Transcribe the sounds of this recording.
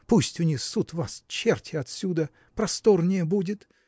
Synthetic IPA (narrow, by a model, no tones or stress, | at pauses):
pusʲtʲʊnʲixsut̪vast͡ɕːertʲɪɐt̪sʲud̪ə | pɾɐst̪ornʲɪjəbudʲɪt̪